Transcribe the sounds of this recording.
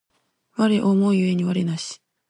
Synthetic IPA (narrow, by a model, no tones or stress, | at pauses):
βaɾe̞ʔomoijɯe̞ɲ̟iβaɾe̞naɕi̥